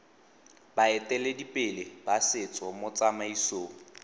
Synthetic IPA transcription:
baɛtʼɛledipʼɪlebasɪt͡sʼɔmʊt͡sʼamaisoːŋ̩

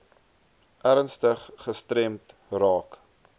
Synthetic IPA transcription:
ʔæɾnstəχːəstɾɛmtrɑːk

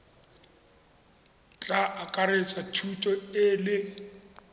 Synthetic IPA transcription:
t͡ɬʼaakʼaɾet͡sʼatʰutʼɔɪlɪ

